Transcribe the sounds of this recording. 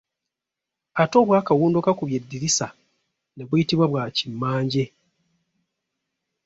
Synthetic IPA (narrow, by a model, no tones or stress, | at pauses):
ato̞ːβwaːkawuːndukakuβje̞dːiɾisa | ne̞βwujitiβwaβwaːcimːaːɲɟe̞